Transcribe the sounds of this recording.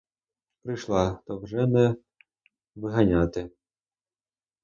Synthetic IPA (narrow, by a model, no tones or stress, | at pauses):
pɾɪjʃlˠɑt̪ɔwʒɛnɛ | ʋɪɦɐnʲat̪ɪ